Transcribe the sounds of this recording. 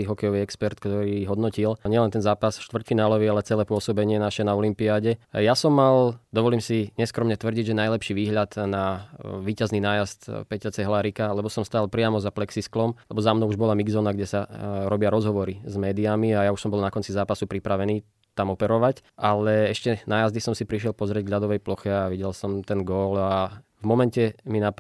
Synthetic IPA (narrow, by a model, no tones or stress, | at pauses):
iɦɔkɛjɔʋiɛkspɛɾt̪kt̪ɔɾiɦɔd̪nɔcilɲɛlɛnt̪ɛnzaːpasʃt̪ʋrcfinaːlɔʋialɛt͡sɛlɛːpʊɔsɔbɛɲɪɛnaʃɛnaɔlimpiaɟɛjasɔmːald̪ɔʋɔliːmsiɲɛskɾɔmɲɛt̪ʋr̩ɟiɟʒɛnajlɛpʃiʋiːɦʎat̪naʋiːcazninaːjast̪pɛcat͡sɛɦlaɾikalɛbɔsɔmst̪aːlˠpɾɪamɔzaplɛksisklɔmlɛbɔzamnɔʊuʒbɔlamiɡzɔnaɡɟɛsaɾɔbɪaɾɔzɦɔʋɔɾizmɛːd̪iamiajauʃsɔmbɔlnakɔnt͡sizaːpasupɾipɾaʋɛniː | t̪amɔpɛɾɔʋacʔalɛɛʃcɛnaːjazd̪isɔmsipɾiʃ̬ɪɛlpɔzɾɪɛɟɡɦʎad̪ɔʋɛjplɔxɛaʋiɟɛlsɔmt̪ɛnɡɔːlavmɔmɛncɛmina